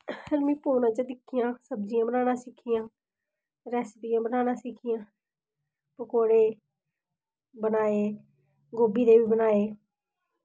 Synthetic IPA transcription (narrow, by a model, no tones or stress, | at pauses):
əlmĩːpuːnãːt͡ʃad̪ɪkʰɪjãːsəbzɪjãːbənaːnãːsɪkʰɪjãː | ɾɛːspijãːbənaːnãːsɪkʰɪjãː | pəkoːɽeː | bənaːeː | ɡoːbiːd̪eːʋiːbənaːeː